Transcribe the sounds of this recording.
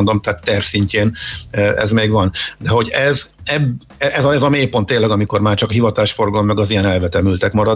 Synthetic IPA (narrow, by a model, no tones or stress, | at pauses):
nd̪o̞mt̪ɛaːt̪ːɛrsiɲceːnɛ̰zmeːɡvɒnd̪ɛɦo̞ɟɛzɛb | ɛʔɛzɒɛzɒmeːlpo̞nt̪ːeːnlːɛɡɒmiko̞rmaːrt͡ʃɒkɦivɒt̪aːʃfo̞rɡɒlmːɛɡɒzijɛnɛlvɛt̪ɛmylt̪ɛkmɒɾɒ